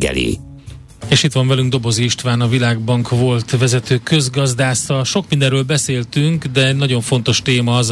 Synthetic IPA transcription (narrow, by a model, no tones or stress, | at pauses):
ɡɛ̰lḭ | eːʃit̪ʋɒɱvɛlyŋɡ̚d̪o̞bo̞ziiʃt̪vaːnɒvilaːɡbɒŋkʋo̞lt̪vɛzɛt̪øːkø̞zɡɒzd̪aːsɒʃo̞k̚mind̪ɛɾøːlbɛseːlt̪yŋkd̪ɛɛɟnɒɟo̞ɱfo̞n̪t̪o̞ʃt̪eːmɒz